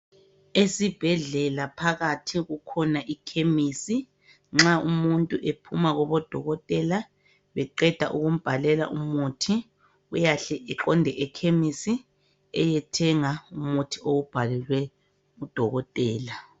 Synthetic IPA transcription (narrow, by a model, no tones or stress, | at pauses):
esib̥ʱɛɮɛlapʰaɣatʰiɣukʰɔnaʔikʰemisi | ŋ͡ǁaumuntʼuʔepʰumaɣɔβɔd̥ʱɔɣɔtʼɛla | βɛǃɛd̥ʱaʔuɣum̩b̥ʱalɛla̰ʔumutʰi | ujaɬɛʔɛǃɔndʱɛʔɛkʰemisi | ɛjɛtʰɛŋaumutʰiʔoub̥ʱalɛlwɛ | ud̥ʱɔɣɔtʼɛːla